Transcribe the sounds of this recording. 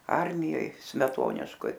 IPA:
ˈɐrʲmʲɪjoːj sʲmʲɛˈtoːnʲɪʃkoːj

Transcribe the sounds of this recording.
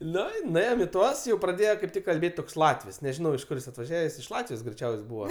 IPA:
ˈnʊ ɪ nʊˈeːjoːm ɪ ˈtuɔs jɛʊ prɐˈdʲeːjoː kɐɪp ˈtʲɪk kɐlʲˈbʲeːtʲ toːks ˈlˠɑːtʲʋʲɪs nʲɛˈʒʲɪnɐʊ ɪʃ ˈkʊr jɪs ɐtʋɐˈʒʲæːʋʲɛs ɪʃ ˈlˠɑːtʲʋʲɪjoːs ɡrʲɛɪˈt͡ʃʲɛʊsʲ ˈbuːʋɐ

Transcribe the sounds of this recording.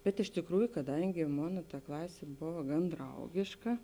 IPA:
bʲɛt ɪʃ tʲeːkˈruːjʊ kɐˈdɐŋʲɡʲɪ ˈmoːnɐ tɐ ˈklˠɑːsʲeː ˈboːʋɐ ɡɐn ˈdrɐʊɡʲeːʃkɐ

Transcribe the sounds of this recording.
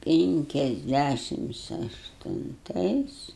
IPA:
pʲɪŋʲkʲɛzʲˈdʲæʃʲɪms ɐʃtʊnˈtɐɪs

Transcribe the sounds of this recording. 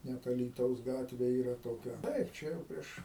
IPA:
ˈnʲɛt ɐlʲiːˈtɐʊs ˈɡɑːtʲʋʲeː ˈiːrɐ toːˈkʲɛ ˈtɐɪp ˈt͡ʃʲɛ jɛʊ ˈpʲrʲiɛʃ

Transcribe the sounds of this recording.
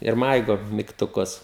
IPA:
ɪr ˈmɐɪɡoː mʲiːktʊˈkʊs

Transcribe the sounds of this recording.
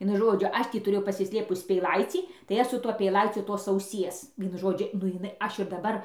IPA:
ˈʋʲiɛnʊ ˈʒoːd͡ʒʲʊ ˈɐʃ tʲiː tʊˈrʲeːjɛʊ pɐsʲɪsʲˈlʲeːpʊs pʲɛɪˈlˠɐɪt͡sʲiː tɐɪ ˈɐʃ sʊ ˈtuɔ pʲɛɪˈlˠɐɪt͡sʲʊ toːs ɐʊˈsʲiɛs ˈʋʲiɛnʊ ˈʒoːd͡ʒʲʊ nʊ ɪˈnɐɪ ˈɐʃ ɪr dɐˈbɐr

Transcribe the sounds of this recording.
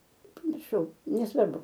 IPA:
pɐmʲɪrˈʃɐʊ nʲɛˈsʋɐrbʊ

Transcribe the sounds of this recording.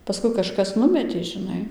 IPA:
pɐˈskʊɪ kɐˈʃkɐs ˈnʊmʲɛtʲeː ʒʲɪˈnɐɪ

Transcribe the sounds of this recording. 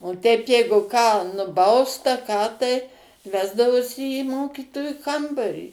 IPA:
oː tʲɛɪp ˈjɛɪɡʊ kɑː nʊˈbɐʊst ɐ ˈkɑː tɐɪ ˈʋʲæːzdɐʋoːsʲɪ iː ˈmoːkʲiːtoːjʊ ˈkɐmbɐrʲiː

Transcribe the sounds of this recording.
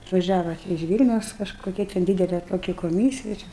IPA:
ɐtʋɐˈʒʲæːʋɐ ɪʃ ˈʋʲiːlʲnʲɛʊs kɐʃkoːˈkʲɛ tʲɛn ˈdʲiːdʲɛlʲɛ toːˈkʲɪ koːˈmʲiːsʲɪjɛ t͡ʃʲɛ

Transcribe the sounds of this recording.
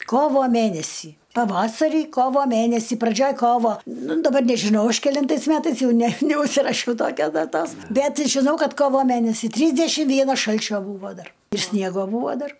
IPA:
ˈkoːʋoː ˈmʲænʲɛsʲiː pɐˈʋɑːsɐrʲiː ˈkoːʋoː ˈmʲænʲɛsʲiː prɐˈd͡ʒʲoːj ˈkoːʋoː ˈnʊ dɐˈbɐr nʲɛʒʲɪˈnɐʊ ˈɐʃ kʲɛˈlʲɪntɐɪs ˈmʲæːtɐɪs ˈjɛʊ ˈnʲɛ nʲɛʊʃʲsʲɪrɐˈʃʲɛʊ ˈtoːkʲoːs dɐˈtoːs ˈbʲɛt ʒʲɪˈnɐʊ ˈkɐt ˈkoːʋoː ˈmʲænʲɛsʲɪ ˈtʲrʲiːzʲdʲɛʃʲɪm ˈʋʲiɛnɐs ˈʃɐlʲt͡ʃʲoː ˈbuːʋoː ˈdɐr ɪr ˈsʲnʲiɛɡoː ˈbuːʋoː ˈdɐr

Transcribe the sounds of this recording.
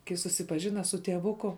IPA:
kɐɪ sʊsʲɪpɐˈʒʲɪnɐ sʊ tʲiɛˈʋʊkʊ

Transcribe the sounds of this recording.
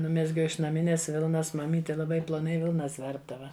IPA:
ˈnʊmʲɛzʲɡʲɛʊ ɪʃ nɐˈmʲɪnʲeːs ˈʋʲɪlˠnɐs mɐˈmʲiːtʲɪ lˠɐˈbɐɪ plˠoːˈnɐɪ ˈʋʲɪlˠnɐs ˈʋʲɛrbdɐʋɐ

